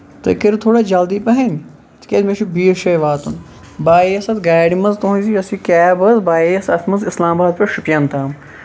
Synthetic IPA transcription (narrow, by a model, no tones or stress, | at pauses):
t̪ɐ̰kɐɾt̪ʰoːɽaːd͡ʒald̪ipɐɦɐn | t̪ʰkʲed̪meʃubiːʃɐjʋaːt̪un | baːeɐsɐt̪ɡaːjɖimɐzt̪oɦũnziɐsikɛːbɐzbaːeɐsɐt̪ʰmɐzɪslaːmbaːd̪̚peʃupjant̪aːm